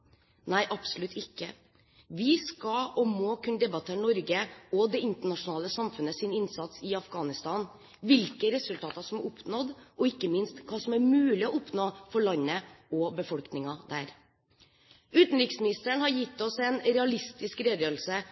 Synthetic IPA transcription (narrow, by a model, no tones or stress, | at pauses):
næɪʔɑpsʊlʉt̪ʰɪkːə | ʋɪskɑɔmoːkʰʉnəd̪ɛbɑt̪ʰeːɳɔɾɡəɔd̪ɛɪnt̪əɳɑʂʊnɑːləsɑmfʉnəsɪnɪnsɑt̪sɪɑfɡɑːnɪst̪ɑːn | ʋɪlkəɾɛsʉlt̪ʰɑːt̪ɑʂɔmʊpnɔd̪ʔɔɪkːəmɪnst̪kʰɑːsɔmæɾmʉːlɪɔɔpnoːfɔɭɑɲːəɔbəfɔlknɪŋɑd̪æːɾ | ʉːt̪n̩ɾɪksmɪnɪst̪əɳhɑɾjɪt̪ːɔsɛnɾɛɑlɪst̪ɪskɾeːd̪jøːl̩sə